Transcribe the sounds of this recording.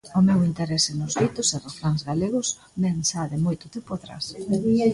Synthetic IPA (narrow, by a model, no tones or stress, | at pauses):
ʊmewint̪eɾɛsɪnʊzɣit̪ʊseraθɾaŋzɣaleɣʊs | mensaðɪmojt̪ʊt̪ɪpoðɾa̰s